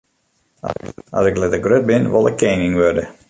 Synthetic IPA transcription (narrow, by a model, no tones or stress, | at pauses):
ɔ̰sɪklɛtəɡrøt̚bɪnʋɔ̰lˠɪkʰːeːnɪŋʋørdə